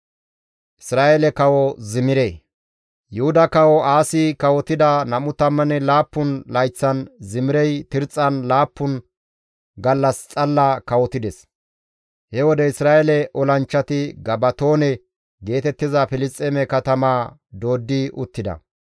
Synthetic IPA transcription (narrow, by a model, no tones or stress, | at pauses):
ʔɪsɾaːʔelɛkɐwɔzɪmɪɾeː | jʊhʊd̪ɐkɐwɔaːsɪkɐwɔt̪ɪd̪ɐnɐmʊt̪ɐmːɐnɛlaːpːʊnlɐjt͡sːɐnzɪmɪɾɛjt̪ɪɾt͡sʼːɐnlaːpːʊn | ɡɐlːɐst͡sʼɐlːakɐwɔt̪ɪd̪ɛs | hɛwɔd̪ɛɪsɾaːʔɛlɛʔɔlɐnt͡ʃːɐt̪ɪɡɐbɐt̪o̞ːnɛ | ɡe̞ːt̪ɛt̪ːɪzɐfɪlɪstʼːemɛkɐt̪ɐmaː | d̪o̞ːd̪ːɪʊt̪ːɪd̪ɐ̰